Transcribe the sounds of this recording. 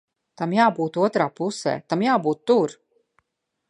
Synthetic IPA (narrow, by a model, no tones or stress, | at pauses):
t̪amjaːbuːt̪uɔt̪ɾaːpusɛ̰ːt̪amjaːbuːt̪ːuɾ